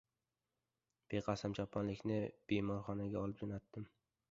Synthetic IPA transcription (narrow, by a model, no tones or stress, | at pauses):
b̥ejqʰɑsamt͡ʃʰɒpʰːɒnlɪkʲnɪb̥emɒɾχɒnaɡʲaɒlˠɪp̚d͡ʒonat̪ːɪm